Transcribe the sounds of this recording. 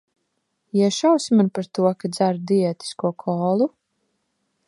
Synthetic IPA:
iɛʃawsimanpaɾt̪uɔkad̪zaɾd̪iɛt̪i̥skuɔkʰɔːlˠu

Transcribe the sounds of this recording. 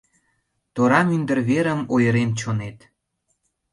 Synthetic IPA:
t̪oɾɑmynd̪ə̆rβeɾə̆mojəɾent͡ɕonet̪

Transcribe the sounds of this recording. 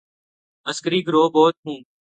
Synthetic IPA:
əskəɾiːɡɾoːbɔːt̪̚ɦũː

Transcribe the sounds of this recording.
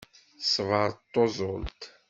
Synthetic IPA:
svəɾt̪ːozˤolt̪

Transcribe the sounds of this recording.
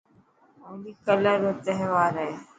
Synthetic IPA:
oːliːkələɾot̪əɦʋaːɾɛ

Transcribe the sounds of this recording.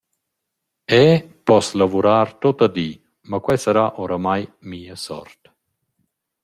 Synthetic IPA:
ɛpɔslavuɾaːɾt̪ot̪ad̪i | makwɛsaɾaʔoɾamajmiːəsɔ̰ɾt̪

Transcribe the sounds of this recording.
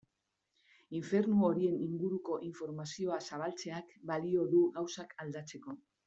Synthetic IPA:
iɱfe̞ɾnuo̞ɾie̞niŋɡuɾuko̞ʔiɱfo̞ɾmasio̞asaβ̞alt͡se̞akbalio̞ðuɣawsakʰald̪at͡se̞ko̞

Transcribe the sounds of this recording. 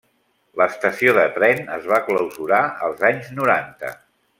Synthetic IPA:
ləst̪əsioðət̪ɾɛnə̰zβakləwzuɾaəlˠzaɲznuɾant̪ə̰

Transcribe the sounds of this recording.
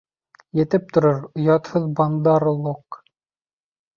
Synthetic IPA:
jɘ̆t̪ɘp̚t̪ŏɾoɾŏjɑt̪hɤðbɑnd̪ɑɾlˠoq

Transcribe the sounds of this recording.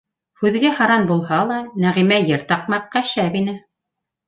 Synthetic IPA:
hʉðɡæhɑɾɑnbulˠhɑlˠɑnæʁimæjɤ̆ɾt̪ɑq̚mɑqːɑʃæβinɘ

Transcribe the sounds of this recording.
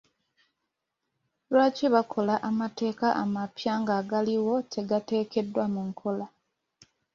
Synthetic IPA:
lwaːceβakʰo̞laʔamate̞ːkaʔa̰mapjaːŋɡaːɡaliwo̞tʰe̞ɡate̞ːke̞dːwamuŋkʰo̞la

